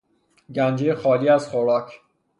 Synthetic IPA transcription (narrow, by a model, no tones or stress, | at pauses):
ɟænd͡ʒejexɒːliːæz̥χoɾɒːcʰ